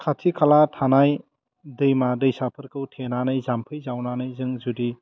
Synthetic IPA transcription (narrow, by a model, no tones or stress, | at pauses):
kʰatʰikʰalatʰanaj | dɯjmadɯjsapʰɯɾkɯwtʰenanɯjzampʰɯjzawnanɯjzɯŋzudi